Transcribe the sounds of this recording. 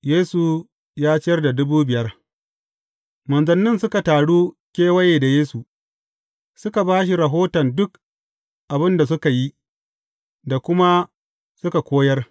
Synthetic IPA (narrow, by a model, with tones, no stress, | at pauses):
jeː˦su˨ | jaː˦t͡ʃɪ˦jɐ˦rda˨dʊ˦buː˦bɪ˨jɐ˦r | mɐ˨nzɐ˨nːɪ˦nsʊ˦ka˨taː˨ɽuː˦ | kʲeː˦wɐ˦jeː˨da˨jeː˦su˨ | sʊ˦ka˨baː˦ʃ̬i˨ɾa˨ɦoː˦tɐ˨ndʊ˦k | ʔa˨bɪ˦nda˨s̬ʊ˦ka˨ji˦ | da˨kʷʊ˦ma˦ | sʊ˦ka˨kʷoː˦jɐ˦r